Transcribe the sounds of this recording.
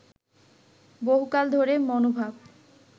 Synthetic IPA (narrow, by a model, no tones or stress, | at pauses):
boɦukald̪ʱoɾemɔnobʱab